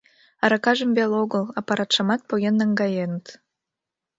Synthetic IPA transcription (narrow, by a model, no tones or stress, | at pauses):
ɑɾɑkɑʒə̆mbeloɣəlˠɑpɑɾɑt̪ʃɑmɑt̪̚pojʲenːɑŋɡɑjenət̪